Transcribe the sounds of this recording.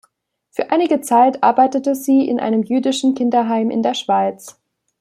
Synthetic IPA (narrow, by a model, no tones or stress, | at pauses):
fyːɐʔaɪnɪɡət͡saɪtʔa̰ɐbaɪtətəziːʔɪ̰nʔa̰ɪnəmjyːdɪʃn̩kʰɪndɐɦaɪmʔɪ̰ndeːɐʃv̥aɪt͡s